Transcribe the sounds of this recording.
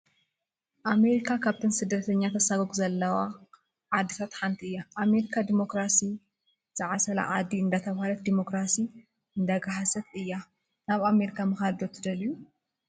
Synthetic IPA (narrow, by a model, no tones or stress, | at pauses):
ʔame̞ɾikʰakʰaβt̪ʰɨnsɨd̪ːɐt̪ʰɐɲːat̪ʰɐsaɡoɡzɐlːɐwa | ʕad̪ːit̪ʰat̪ħant̪ʰiʔɨjːaʔame̞ɾikʰad̪imo̞kɾasi | z̥ɨʕasɐla̰ʕa̰d̪iɨnd̪at̪ʰɐβhalɐt̪̚d̪imo̞kɾasi | ɨnd̪aɡaɦasɐt̪ɨjːa | naβame̞ɾikʰamɨxad̪ot̪ʰɨd̪ɐliju